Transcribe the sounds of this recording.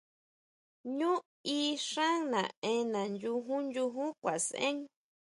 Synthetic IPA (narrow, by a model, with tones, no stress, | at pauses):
ɲũ˦ | i˦ʂã˦ŋnã̰˨ẽ˧nã˨nju˧ɦũ˦nd͡ʒu˧ɦũ˦kʷa˨sḛ̃˦ŋ